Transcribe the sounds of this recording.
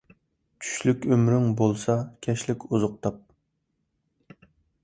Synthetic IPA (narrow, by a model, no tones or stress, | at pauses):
t͡ʃʰy̥ʃlykʲømɾyŋbolˠsɑkʲʰɛʃlɪkʲʰuzʊq̚t̪ʰɑp̚